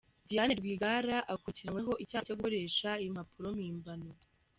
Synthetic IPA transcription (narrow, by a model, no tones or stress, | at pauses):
dijaneɾɡwiːɡaɾaʔakuciɾaŋwe̞ɦo̞ʔicaːcoɡuoɾe̞ːʃaim̥hapuɾo̞miːmbano